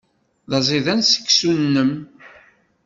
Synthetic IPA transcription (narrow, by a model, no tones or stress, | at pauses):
ðɑzˤiðænsə̥kːsunːəm